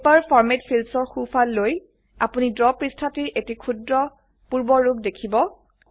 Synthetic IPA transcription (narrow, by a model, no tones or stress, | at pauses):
paɹpʰɔɹmetpʰilsɔɹxupʰalːoj | apunidɹɔpɹistʰatiɹʔetikʰudɹɔ | puɹbɔɹːuɡdekʰibɔ